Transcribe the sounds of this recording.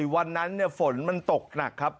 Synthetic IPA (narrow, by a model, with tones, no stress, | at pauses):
wa˧nːa˦˥nːi˥˩ɐfo˩˦nma˧nt̪o˨˩k̚na˨˩kʰːa˦˥p̚